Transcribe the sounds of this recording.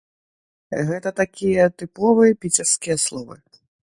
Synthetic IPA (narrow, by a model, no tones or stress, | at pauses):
ɣɛt̪ɐt̪akʲijɐt̪ɨpɔvɨjɛpʲit͡sʲɛrskʲijɐslˠɔvɨ̰